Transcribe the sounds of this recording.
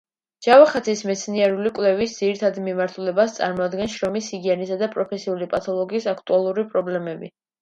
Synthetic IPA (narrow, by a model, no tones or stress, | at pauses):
d͡ʒ̥avaχat̪sʰismɛt̪sʰniɛɾulikʼwlɛvisd̪ziɾit̪ʰad̪mimaɾt̪ʰulɛbast̪sʼa̰ɾmɔad̪ɡɛnʃɾɔmisiɡiɛnisad̪apʼɾɔpʰɛsiulipʼat̪ʰɔlˠɔɡiːsakʰt̪ʼualˠuɾipʼɾɔblɛmɛbi